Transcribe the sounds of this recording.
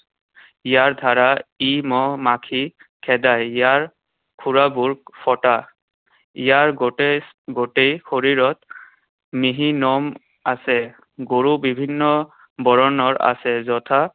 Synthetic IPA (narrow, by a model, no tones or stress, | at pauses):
ijaɹdʱaɹaimɔmakʰi | kʰɛdajijaɹ | kʰuɹabuɹpʰɔta | ijaɹɡo | ɡotejxoɹiɹɔt̪̚ | miɦinɔm | asɛ | ɡoɹubibʱinːɔ | bɔɹɔnɔɹa̰sɛzɔt̪ʰa